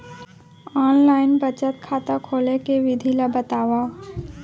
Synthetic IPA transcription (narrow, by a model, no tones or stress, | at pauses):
ɔːnlaːɪnbət͡ʃət̪̚kʰaːt̪akʰoːlekeʋɪd̪ʱilabət̪aːʋaː